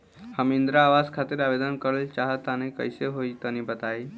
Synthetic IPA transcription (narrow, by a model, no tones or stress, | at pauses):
həmind̪ɾaːʋaskʰat̪iːɾabed̪ənkəɾəlt͡ʃaɦət̪ːanekə̰jseɦoit̪ənibət̪ai